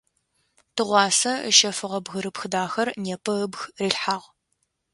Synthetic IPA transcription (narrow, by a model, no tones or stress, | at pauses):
tʰɨʁʷɑːsɐə̰ʃɐfɨʁɐbɣɨɾɨpxɨdaːxɐrneːpʰɐɨbxriːɬħaːʁ